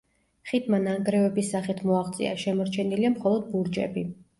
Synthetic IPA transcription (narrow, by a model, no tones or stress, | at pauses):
χid̪ʰmanaŋɡɾɛvɛbisːaχit̪ʰmɔaχt̪sʼḭa̰ʃɛmɔɾt͡ʃʰɛniliamχɔlˠɔd̪̚buɾd͡ʒɛ̰bi